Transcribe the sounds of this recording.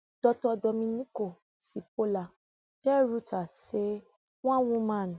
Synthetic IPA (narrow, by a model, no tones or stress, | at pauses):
d̥ɔtdɔmĩnĩko | sip̚ola | kɛɾutʰase | w̃ɔ̃wũmãñ